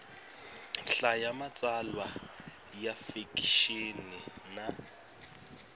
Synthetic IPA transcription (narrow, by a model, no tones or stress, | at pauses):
ɬajamat͡sʼalwa | jafikʼʃinɪna